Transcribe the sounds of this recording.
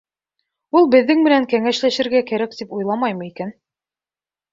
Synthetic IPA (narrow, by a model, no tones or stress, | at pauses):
ulˠbɘ̆ðːɘŋmɘ̆næŋkæŋæʃlæʃɘ̆ɾɡækæɾæk̚t̪ipujlˠɑmɑjmɤ̆ikæn